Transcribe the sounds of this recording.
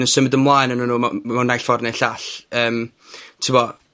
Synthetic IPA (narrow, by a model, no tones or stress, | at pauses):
nənsəmɪdənmlˠajnənənuːamawnajɬv̥ɔrnɛɬaɬəːm | tʰɪwɔ